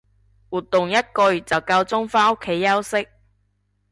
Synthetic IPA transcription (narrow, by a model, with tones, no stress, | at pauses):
wuː˨t̪ːʊ˨ŋjɐ˥t̚kɵ˧ɥt͡sɐ˨wkɐ˧wt͡sʊ˥ŋfaː˥o˥kʰːe˨˥jːɐ˥wsɪ˥k̚